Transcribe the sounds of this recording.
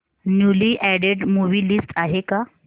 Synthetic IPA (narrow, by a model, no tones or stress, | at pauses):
njuliʔɛɽeɖmuʋiːlisʈaɦeka